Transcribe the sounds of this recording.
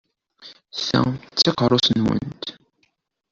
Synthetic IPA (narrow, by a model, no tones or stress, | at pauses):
sæ̰t͡sːiqəɾˤʊsənwə̰nt̪